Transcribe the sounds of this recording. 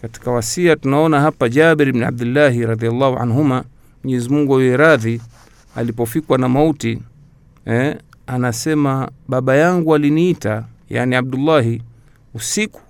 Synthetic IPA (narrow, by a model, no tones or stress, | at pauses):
kati̥kawasiatunaɔnahapad͡ʒaɓɛɾbna̰b̚dilːaɦiɾɑðialːahuʔa̰nɦuma | mɔɲɛzimuŋɡujɛjɛɾaði | a̰lipɔfikwanamauti | ɛ | anasɛmaɓaɓajaŋɡualiniitaja̰niab̚dulːaɦi | usiku̥